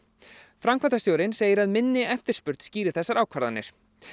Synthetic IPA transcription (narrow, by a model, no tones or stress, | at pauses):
fɾamkʰat̪ast̪joːwɾɪnseːjɪɾaðmɪnːɪɛft̪ɪɾ̥spʏɾt̪sciːɾɪ̥θɛsːaɾaːwkʰvaɾðanːɪ̰ɾ̥